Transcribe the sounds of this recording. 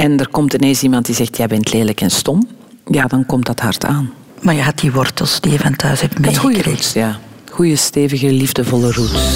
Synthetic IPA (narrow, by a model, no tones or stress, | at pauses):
ɛndərkɔmtəneːnsimɑnt̚dizɛxtʰjajbɛntʰleːləkɛnstɔm | jaːdɑnkɔmt̚dɑtɦɑrtʰaːn | maːɹjəɦat̚diʋɔrtəlˠsd̥ijəvantʰœɥsɛp̚tmeujjaː | xujəsteːvəɣəlivdəvɔlərut